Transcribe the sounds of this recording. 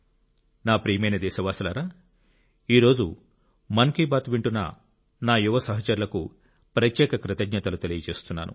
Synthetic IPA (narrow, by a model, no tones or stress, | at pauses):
naːpɾiːmɐjnɐd̪ɛːʃɐʋaːsɐlaːɾaː | iːɾo̞ːd͡ʒu | mɐŋkibaːt̪ʋiɳʈunɐ̰ | naːjuʋɐsɐɦɐt͡ʃɐɾulɐkṵ | pɾɐt̪jɛːkɐkɾɪt̪ɐɡɲɐt̪ɐlut̪elijɐt͡ʃe̞ːst̪unːa̰ːnṵ